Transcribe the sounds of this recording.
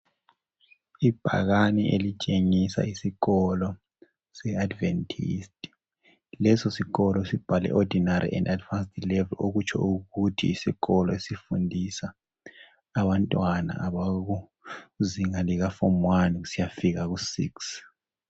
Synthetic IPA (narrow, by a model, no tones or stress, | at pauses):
ib̥ʱa̰ɣaniʔelit͡ʃʼeŋisa̰isiɣɔlɔ | sɛadvɛntʰistʼi | lɛsɔsiɣɔlɔesib̥ʱalɛ̰ʔɔdʱinaɾḭʔɛ̰ndadvanstilɛvɛloɣut͡ʃʰɔ̰uɣutʰḭːsiɣɔlɔesifundʱisaː | βantʼwana̰ʔaβaɣu | ziŋaliɣafɔmwaniusijafiɣaɣusḭks